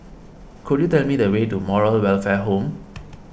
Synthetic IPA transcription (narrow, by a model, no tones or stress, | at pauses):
kʰudjutɛlmidəwetumɔɹəlwɛlfɛɦõm